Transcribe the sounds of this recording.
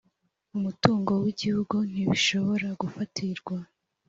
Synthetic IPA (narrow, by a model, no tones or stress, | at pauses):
umutuːŋɡo̞wiɟihuɡun̥iβiʃo̞βo̞ɾaɡufatʰiɾɡwa